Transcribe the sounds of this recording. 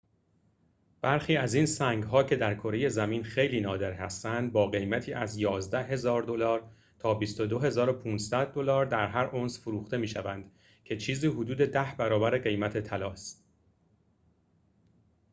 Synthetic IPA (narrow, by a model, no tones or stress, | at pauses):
b̥æɾxiːæziːnsæŋɡɦɒːcʰe̞d̪æɾkʰoɾe̞je̞zæmiːnxe̞jliːnɒːd̪e̞ɾhæ̰st̪ænd̪̚bɒːɣe̞jmæt̪ʰiːʔæzjɒːzd̪æɦe̞zɒːɾd̪o̞lɒːɾ | t̪ʰɒːbist̪o̞d̪o̞ɦe̞zɒːɾopʰuːnssæd̪̚ːo̞lɒːɾd̪æɾɦæɾʔonsfoɾuːxt̪e̞miːʃævænd̪ | cʰe̞t͡ʃʰiːziːɦod̪uːd̪e̞d̪æhbæɾɒːbæɾeɢe̞jmæt̪ʰe̞t̪ʰælɒːst̪̚